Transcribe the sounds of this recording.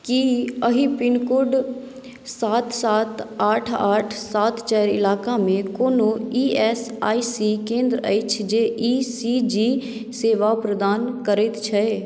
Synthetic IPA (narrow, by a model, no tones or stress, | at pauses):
kiəɦipɪnkʊɖ | saːt̪ʰsaːt̪aːʈʰaːʈʰsaːt̪t͡ʃɛːjəɾɪ̰laːkamẽkoːnoiːɛːsaːisikẽːnd̪ɾəəɪt͡ʃʰd͡ʒeːʔiːsid͡ʒi | seːʋapɾəd̪aːnkəɾet̪t͡ʃʰɛe